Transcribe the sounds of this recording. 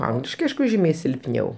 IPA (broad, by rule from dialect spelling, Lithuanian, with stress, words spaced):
ˈɐŋɡlʲɪʃkɐɪ ˈɐɪʃkʊ ˈʒʲiːmʲɛɪ sʲɪlʲpʲˈnʲɛʊ